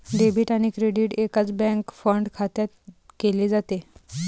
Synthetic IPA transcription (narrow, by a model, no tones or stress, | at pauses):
ɖebʱiːʈaɽ̃ikɾeɖiʈekat͡sbɛ̃ŋkfəɳɖkʰat̪jat̪keled͡zat̪e